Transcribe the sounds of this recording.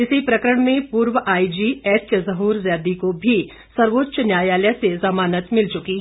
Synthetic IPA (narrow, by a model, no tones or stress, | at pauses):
ɪsipɾɐkəɾəɽ̃mẽpuːɾʋəʔaːid͡ʒiɛːt͡ʃjəzɐɦuːɾzjaːd̪ikobʱi | sɐɾʋoːtːʃənjaːjaːljasezɐmaːnət̪mɪlt͡ʃʊki